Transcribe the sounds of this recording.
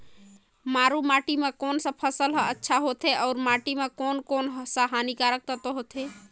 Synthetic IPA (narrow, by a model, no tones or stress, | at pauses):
maɾumaʈimekoːnsə̃pʰəsəlɦəətːʃʰaɦot̪ʰeɔːɾmaʈimekoːnkoːnɦsaɦanikaɾək̚t̪ət̪oɦot̪ʰe